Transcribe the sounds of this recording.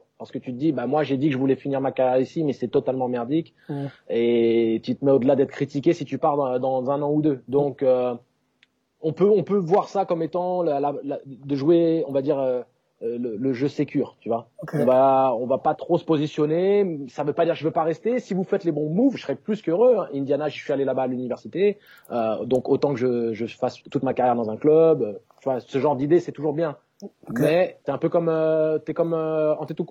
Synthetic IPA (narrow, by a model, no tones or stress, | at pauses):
paʁsə̥kət̪yt̪əd̪ibamwaʒed̪ikəʒəvulɛfiniʁmakaisimɛsɛt̪ɔt̪almɑ̃mɛʁd̪ikʲ | et̪yt̪əmɛod̪əlad̪ɛt̪χə̥kχit̪ikʲesit̪ypaʁd̪d̪ɑ̃zɛ̃nɑ̃ud̪ød̪ɔ̃kø | ɔ̃pøɔ̃pøvwaʁsakɔmet̪ɑ̃llald̪əʒweɔ̃vad̪iʁø | lələʒøsekʲyːʁt̪yvwaɔ̃vaɔ̃vapat̪χosə̥pozisjɔnesavøpad̪iʁʒəvøpaʁɛst̪esivufɛt̪lebɔ̃muvsəsəʁɛplyskøʁøɛ̃ʔĩnd̪janaʒəsɥialelabaːlynivɛʁsit̪e | ød̪ɔ̃kot̪ɑ̃kəʒəʒəfast̪ut̪makaʁjɛʁd̪ɑ̃zɛ̃klœbøt̪yvwasəʒɑ̃ʁd̪id̪esɛt̪uʒuʁbjɛ̃ | mɛt̪ɛɛ̃pøkɔmøt̪yɛkɔmøɑ̃t̪et̪u